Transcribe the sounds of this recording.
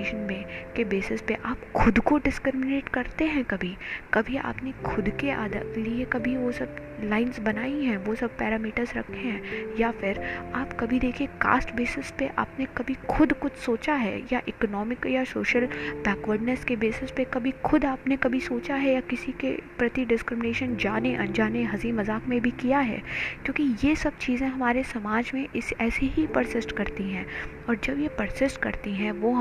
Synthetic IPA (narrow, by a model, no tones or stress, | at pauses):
ʃənmẽkebeːsɪspeʔaːpxʰʊd̪koɖɪskɾɪɾmɪneːʈkɐɾt̪eɦɛ̃kɐbʱikɐbʱia̰ːpnekʰʊd̪keʔa̰ːd̪ə̰liekɐbʱiʋosɐb̚laːɪnzbɐnaːiɦɛ̃ʋosɐb̚pɛːɾaːmiːʈəɾzɾɐ̰kʰːeɦɛ̃ːjafɪɾaːpkɐbʱid̪eːkʰieka̰ːsʈbeːsɪspeʔa̰ːpnekɐbʱixʰʊd̪kʊt͡ʃʰsoːt͡ʃaɦɛ̰jaʔɪkɔnɔːmɪkjasoːʃəlbɛːkʋəɾɖnəskebeːsɪspekɐbʱixʰʊd̪aːpnekɐbʱisoːt͡ʃaɦɛjakɪsikḛpɾɐt̪iɖɪskɾɪmɪneːʃənd͡ʒaːneʔɐ̰̃nd͡ʒaːneɦɐziːmɐzaːkmẽbʱikijaɦɛ̰ːkjõːkijesɐb̚t͡ʃiːzẽɦɐmaːɾesɐmaːd͡ʒmẽʔɪsɛːseɦipɐɾsɪsʈkɐɾt̪iɦɛ̃ː | ɔːɾd͡ʒɐbjepɐɾsɪsʈkɐɾt̪iɦɛ̃ʋoɦ